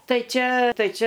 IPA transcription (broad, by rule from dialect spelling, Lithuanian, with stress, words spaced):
ˈtɐɪ ˈt͡ʃʲɛ ˈtɐɪ ˈt͡ʃʲɛ